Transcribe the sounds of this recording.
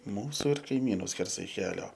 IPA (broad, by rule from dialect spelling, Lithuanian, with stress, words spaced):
ˈmuːsʊ ɪr kɐɪˈmʲiːnʊ ˈsʲkʲɛrsɐɪ ˈkʲæːlʲoː